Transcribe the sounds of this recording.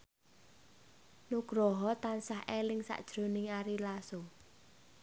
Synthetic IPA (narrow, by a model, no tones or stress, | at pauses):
nuɡ̥ɾoɦɔt̪ansaɦʔelɪŋsa̰ʔd̥ʒ̥ɾonɪŋaɾilaso